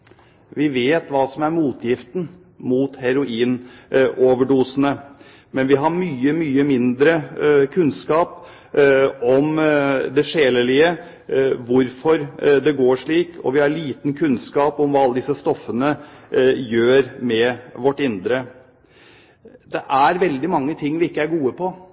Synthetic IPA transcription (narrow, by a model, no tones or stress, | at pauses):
ʋɪʋeːt̪ʋɑːsɔmæɾmuːt̪ʰjɪft̪n | muːt̪hæɾʊiːnʔoːʋəɖuːsənə | mɛnʋɪɦɑɾmyːəmyːəmɪnd̪ɾəkʰʉnskɑːp | ɔmd̪ɛʂeːləɭɪə | ʋʊɾfɔɾd̪ɛɡoːʂɭiːkʰɔ̰ʋɪhɑɾɭiːt̪n̩kʰʉnskɑːpɔmʋɑːɑlːəd̪ɪsəst̪ɔfːənə | jøːɾmɛʋɔʈːɪnd̪ɾə | d̪ɛʔæɾʋɛld̪ɪmɑŋːət̪ʰɪŋːʋɪɪkːəæɾɡuːəpʰɔ